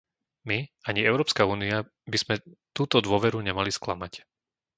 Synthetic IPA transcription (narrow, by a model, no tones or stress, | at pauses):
miaɲiɛʊɾɔːpskauːnia | biz̥mɛt̪uːt̪ɔd̪ʊɔʋɛɾuɲɛmalisklamac